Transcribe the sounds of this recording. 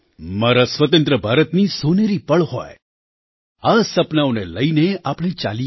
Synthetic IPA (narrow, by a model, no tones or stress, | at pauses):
maɾasʋət̪ə̃nt̪ɾəbʱaːɾət̪nisoneɾipəɭhɔ̰e | asəpnaoneləineapɽ̃ĩt͡ʃa̰li